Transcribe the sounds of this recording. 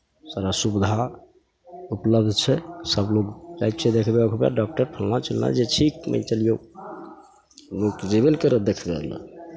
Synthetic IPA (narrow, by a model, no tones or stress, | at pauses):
saɾasubd̪ʱa | upləb̚d̪ʱt͡ʃʰɛsəbloɡd͡ʒajt̪̚t͡ʃʰɛd̪ekʰbekʰoba̰ɖɔk̚ʈəɾpʰəlnat͡ʃəlna̰d͡ʒeʈʰikmə̰t͡ʃəlijo | lokd͡ʒeβelkəɾəd̪ekʰbḛlə̰